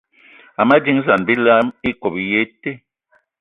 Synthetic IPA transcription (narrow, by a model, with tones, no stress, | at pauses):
a˨ma˦d͡ʒi˦ŋ˦za˨nbi˦la˦mi˦ko˨pi˨je˦te˦